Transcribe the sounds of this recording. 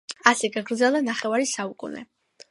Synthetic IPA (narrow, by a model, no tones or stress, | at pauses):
asɛɡaɡɾd̪zɛlˠd̪anaχɛvaɾisaukʼṵnɛ̰